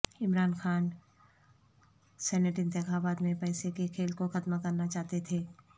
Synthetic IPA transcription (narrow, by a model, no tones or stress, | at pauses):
ɪmɾaːnxaːn | sɛːneʈɪ̃nt̪ɪxaːbaːt̪mẽpɛːsekekʰeːlkoxɐd̪makɐɾnat͡ʃaːɦt̪et̪ʰeː